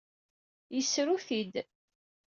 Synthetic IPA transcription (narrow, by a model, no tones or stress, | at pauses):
jəsɾuθid̪